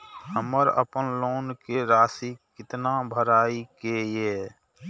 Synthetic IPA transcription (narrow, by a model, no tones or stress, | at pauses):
həməɾə̰pənloːnkeɾaːsikɪt̪nabʱəɾaːikeje